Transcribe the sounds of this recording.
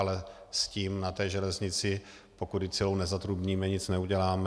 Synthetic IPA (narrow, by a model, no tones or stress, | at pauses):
lɛsciːmnat̪ɛːʒɛlɛzɲɪt͡sɪ | po̞kud̪ɪt͡sɪlownɛzat̪ɾubɲiːmɛɲɪt͡snɛuɟɛlaːm